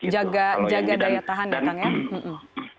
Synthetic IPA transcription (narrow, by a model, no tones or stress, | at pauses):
d͡ʒaɡad͡ʒaɡadajat̪aɦandat̪aŋjam̩m̩